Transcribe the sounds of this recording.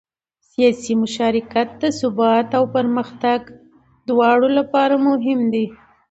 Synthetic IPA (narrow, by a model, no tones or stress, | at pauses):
sijɑsimʊʃɑɾɪkat̪̚d̪əsʊbɑt̪awpəɾməxt̪aɡ | d̪wɑɽolapɑɾamʊɦɪmd̪e